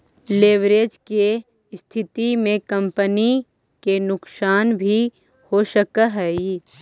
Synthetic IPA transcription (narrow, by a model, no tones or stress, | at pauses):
leːʋɾeːd͡ʒke | st̪ʰɪt̪imẽkɐ̃mpəni | kenʊksaːnbʱi | hoʃəkəɦɛːi